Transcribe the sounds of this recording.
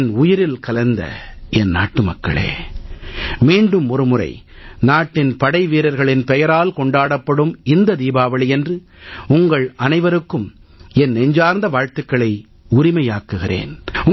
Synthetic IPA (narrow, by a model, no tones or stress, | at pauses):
nʊjɪɾɪlkɐlɐnd̪ɐ̰ɛnna̰ːʈːɯmɐkːɐ̰ɭḛː | miːɳɖɯmʊɾɯmʊrɐ̰ɪ | naːʈːɪnpɐɽɐɪʋiːɾɐɾɣɐɭɪnpɛjɐɾaːlkɔɳɖaːɽɐpːɐɽɯmɪnd̪ɐd̪iːbaːʋɐɭɪjɛndrɯ | ʊŋɡɐɭɐnɐɪʋɐɾɯkːɯmɛnːɛɲd͡ʒaːɾnd̪ɐʋaːɻt̪ɯkːɐɭɐɪ | ʊrɪmɐjaːkːɯɣɪrḛːnʊ